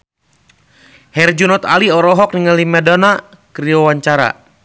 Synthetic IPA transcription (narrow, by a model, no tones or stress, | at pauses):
hɛrd͡ʒunɔt̪a̰liɔɾɔɦɔk̚niŋalimɛdɔna | kɾiɔwaɲt͡ʃaɾa̰